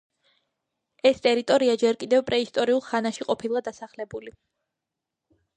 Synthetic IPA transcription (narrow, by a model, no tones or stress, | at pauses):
ɛst̪ʼɛɾit̪ʼɔɾiad͡ʒɛɾkʼid̪ɛvpʼɾɛist̪ʼɔɾiulˠχanaʃiqʼɔpʰilˠad̪asaχlɛbuli